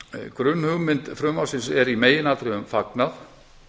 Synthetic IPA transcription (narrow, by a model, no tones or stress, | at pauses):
kɾʏnːhʏɣmɪnt̪fɾʏmawsɪnsɛɾimeːjɪnalt̪ɾɪʏmfaknaθ